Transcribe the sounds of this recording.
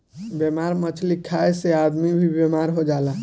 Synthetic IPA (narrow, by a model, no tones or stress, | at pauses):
bemaɾmət͡ʃʰlikʰːaesead̪mibʱibemaɾɦod͡ʒala